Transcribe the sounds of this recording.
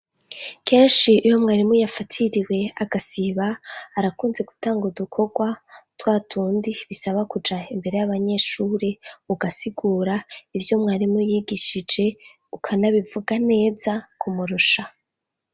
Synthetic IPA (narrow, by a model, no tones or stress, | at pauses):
kʰe̞ːnʃiʔːjo̞mŋaːɾimujafatʰiɾiwe̞aɡasiβaːɾakuːnze̞ɡu̥taːŋɡudukʰo̞ɡwatwaːtʰuːndiβisaβakud͡ʒaimbe̞ɾe̞jaβaɲe̞ʃuːɾe̞uɡasiɡuːɾaivjo̞mŋaːɾimujiːɡiʃid͡ʒe̞ | ukʰanaβivuɡane̞ːzakʰumuɾuʃa